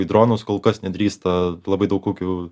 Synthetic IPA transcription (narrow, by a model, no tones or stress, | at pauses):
ɪd̪ɾoːnʊskoːlˠkɐsnʲɛd̪ʲɾʲiːst̪ɐlˠɐbɐɪd̪ɐʊkoːkʲʊ